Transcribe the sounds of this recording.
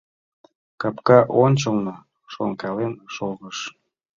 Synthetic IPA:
kɑpkɑʔonʲt͡ɕəlnɤ | ʃoŋkɑlenʃoɣəʃ

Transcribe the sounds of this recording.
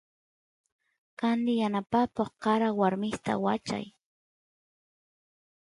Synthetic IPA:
kand̪ɪjanapakoχqɑɾawaɾmɪst̪a̰wat͡ʃa̰j

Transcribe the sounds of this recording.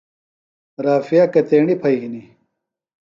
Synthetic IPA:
ɾaːfijakɐt̪eːɳɖipʰɐiɦini

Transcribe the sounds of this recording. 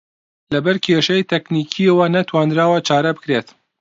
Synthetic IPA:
lɐbɐɾkʲʰeːʃɐjt̪ʰɛkniːkʰiɐwɐnɐt̪ʰwaːnɾaːwɐt͡ʃaːɾɐbɨkɾet̪

